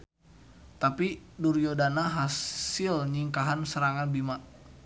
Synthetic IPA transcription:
t̪apiduɾjodanaɦasɪlɲiŋkaɦansəɾaŋanbima

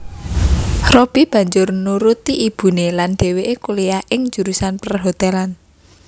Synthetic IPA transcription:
rob̥ib̥ä̤ɲd͡ʒʊrnuɾut̪iʔib̥ṳnelanɖ̥e̤weʔekuleaʔɪŋ̥d͡ʒ̥ṳɾusanpərɦot̪ɛlan

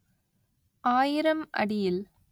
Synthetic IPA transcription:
ʔaːjɪɾɐmɐ̰ɽɪjɪl

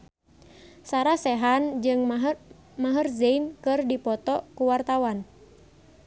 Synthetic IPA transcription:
saɾasɛɦand͡ʒɨŋ | maɦərzeinkɨrdipɔt̪ɔkuwart̪awan

